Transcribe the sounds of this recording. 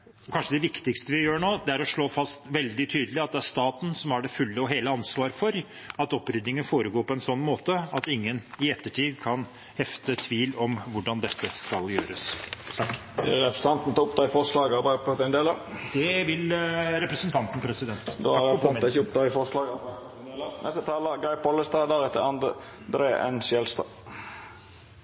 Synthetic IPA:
ɔkʰɑnʂəd̪ɛʋɪkt̪ɪkst̪əʋɪjøːɳoːd̪ɛæɾɔʂɭoːfɑst̪ʋɛld̪ɪt̪ʰyːd̪əlɪɑt̪̚d̪ɛæʂt̪ɑːt̪n̩sɔmæɖɛfʉlːəɔɦeːləɑnsʋɑːɾfɔɾ | ɑt̪ɔpːɾʏd̪nɪŋənfoːɾəɡoːɾpʰɔɛnsɔnːmoːt̪əɑt̪ɪŋːənɪɛt̪ːəʈʰiːd̪kʰɑn | hɛft̪ət̪ʰʋiːlɔmʋʊɖɑnd̪ɛt̪ʰːəskɑljø̰ːɾəsʰkɛ̰ɾɛpɾəsə̥n̩t̪ɑnt̪n̩t̪ɔʊpt̪ʰɑːɪfɔʂlɑːɡɑbɑɪpʰɔd̪ɛnd̪eːləd̪̥ɛʋɪlɾɛpɾəsənt̪ʰɑnt̪n̩pʰɾɛsɪd̪ɛnt̪d̪oɾɛnɪçəʊp̚t̪ʰɑːɪfɔslɑːɡ̪ | eːlnɛst̪ət̪ʰɑːləɡɑɪpʰɔlːəst̪ɑːd̪æɾɛt̪ːəɑnd̪ə | d̪ɾeːʔɛ̰nsjɛlst̪ɑ̰

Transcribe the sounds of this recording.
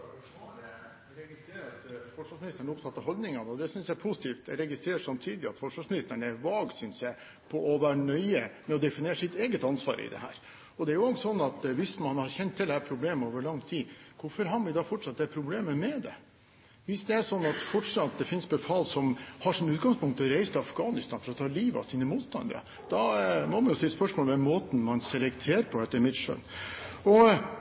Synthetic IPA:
ɾɛɡɪst̪ɾeːɾɑt̪fɔʂʋɑʂsmɪnɪst̪əɳəʊp̚t̪ʰɑt̪ːɑɦɔld̪nɪŋɑnəɔd̪ɛsʏnsjæpʰʊsɪ̥t̪ʰiːft̪ɛɾɛɡɪst̪ɾeːɾəʂɑmt̪ʰiːd̪ɪɑ̰t̪fɔʂʋɑʂmɪnɪst̪əɳəæɾʋɑːɡsʏnsjæɪ | pʰɔɔʋæɳœʏəmɛɔd̪ɛfɪnjeːɾəsɪt̪eːɡət̪ɑnsʋɑ̰ːɾəɪ̰d̪ɛ̰hæ̰ːɾ | ɔd̪ɛæɾjʊɔŋsɔnːɑt̪ʋɪsmɑnhɑɾçɛnt̪ʰːɪld̪ɛæɾpʰɾʊbleːmoːʋəɭɑŋːt̪ʰiːkʰʊɾfɔɾɦɑnʋɪd̪ɑfɔʈʂɑt̪̚d̪ɛɾpʰɾʊbleːməmɛd̪ɛ̰ | ʋɪsd̪ɛæʂɔnːɑt̪fɔʈʂɑt̪̚d̪ɛfɪnsbɛfɑːlsɔmhɑʂɔmʉːt̪̚ɡɑŋspʰʊŋkt̪ʰːɔɾæɪst̪ʰɪɑfɡɑːnɪst̪ɑːnfɔɾɔt̪ʰɑːliːʋɑ̰siːnəmuːt̪st̪ɑ̰nd̪ə̰ɾɑ̰ | d̪̥ɑmɔmɑnjʊst̪ɪlːspœʂmoːlʋɛmoːt̪n̩mɑnsɛlɛkt̪ʰeːɾəpʰɔd̪ɛt̪ːəmɪt̪ʂø̰ːnɔ

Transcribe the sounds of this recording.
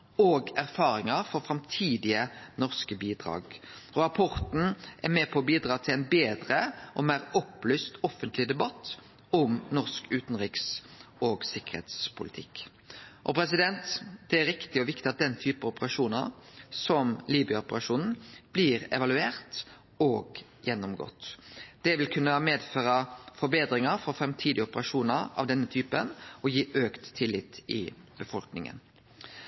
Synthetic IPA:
oːɡæʁfɑːɾɪŋɑɾfɔɾfɾɑmt̪ʰiːd̪ɪənɔʁskəbiːd̪ɾɑ̰ːɡɾɑpʰɔʁt̪n̩ʔæʁmɛpʰɔbiːd̪ɾɑːt̪ʰɪlɛɪnbeːd̪ɾəʔɔmæːʁɔplyːst̪ɔfənt̪ʰlɪd̪ɛbɑt̪ː | ʊmnɔʁskʉːt̪n̩ʁɪːksoːɡsɪkːəʁɾhḛːt̪spʰʊlɪ̰t̪ʰɪkː | ʔɔpɾɛs̬ɪd̪ɛnt̪d̪̥ɛæɾɪkt̪ɪɔʋɪkt̪ɪɑt̪̚d̪ɛnt̪ʰyːpəɔpəɾɑʂuːnə̰ʁsɔmliːbʏəʊpəɾɑʂuːnn̩b̥lɪɾɛ̰ʋɑlʉeːʁt̪ | oːɡ | jɛnːɔmɡɔ̰t̪ːd̪̥ɛʋɪlkʰʉnːəɑmeːd̪føːɾɑfɔɾbeːd̪ɾɪŋɑɾfɔfɾɛmt̪ʰiːd̪ɪɔpəɾɑʂuːnəɾɑ̰ʋd̪ɛnːət̪ʰyːpənʔɔjiːʔøːkt̪ʰːɪlːɪt̪ɪ̰b̥əfɔlknɪ̰ŋə̰n

